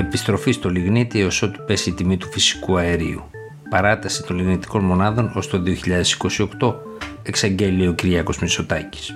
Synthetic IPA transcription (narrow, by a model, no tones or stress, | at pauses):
e̞pist̪ɾo̞fist̪o̞liɣnit̪ieo̞so̞t̪u̥pe̞siːt̪imit̪u̥fisi̥kuɐe̞ɾḭṵ | pɐɾɐt̪ɐsit̪o̞nliɣnit̪i̥ko̞nmo̞nɐðo̞no̞st̪o̞ðio̞çiʎɐðe̞si̥ko̞sio̞kt̪o̞ | e̞ksɐɲɟe̞lio̞ciɾʝɐko̞zmiso̞t̪ɐci̥s